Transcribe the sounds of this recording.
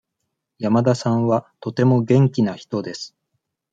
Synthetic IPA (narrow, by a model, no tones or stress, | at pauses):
jamad̪asãβat̪o̞t̪e̞mo̞ɡẽ̞ŋkʲinaçi̥t̪o̞d̪e̞sɨ̥